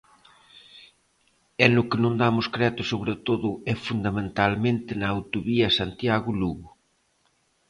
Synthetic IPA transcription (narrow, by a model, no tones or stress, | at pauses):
ɛnʊkɪnõnd̪amʊskɾɛt̪ʊsoβɾet̪oðʊɛfund̪amẽnt̪almẽnt̪ɪnɐːwt̪oβiɐsant̪jaɣʊluɣʊ